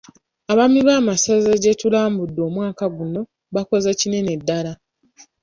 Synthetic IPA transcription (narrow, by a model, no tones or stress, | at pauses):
aβamiβaːmasazaɟetulaːmbudːo̞ːmwaːkaɡuno̞ | βako̞zacine̞ne̞dːala